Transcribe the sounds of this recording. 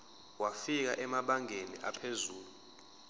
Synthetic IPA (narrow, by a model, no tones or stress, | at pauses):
wafik̬aʔɛmaɓaŋenḭʔapʰezuːlu